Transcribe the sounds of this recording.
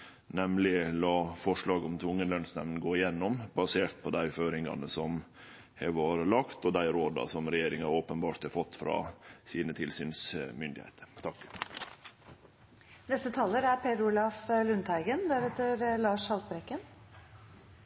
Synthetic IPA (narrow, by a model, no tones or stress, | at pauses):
nɛmlɪlɑːfɔʂɭɑːɡɔmt̪ʰʊŋːənlœnsnɛʋnɡoːɪjɛnːɔmbɑseːɾt̪̚pʰɔd̪æɪføːɾɪŋɑ̰nəsɔm | hɛʋɑːɾəlɑkt̪ɔd̪æɪɾoːd̪ɑ̰sɔmɾɛjeːɾɪŋɑoːpənbɑːʈt̪hɑfɔt̪ːfɾɑ̰siːnət̪ʰɪlsyːnsmʏnd̪ɪhḛːt̪ʰəɾt̪ʰɑkː | nɛst̪ət̪ʰɑːlːəɾæɾpʰeːd̪ʊlɑflʉnt̪ʰæɪɡənd̪æɾɛt̪ːəɾlɑːʂhɑlt̪bɾɛkːən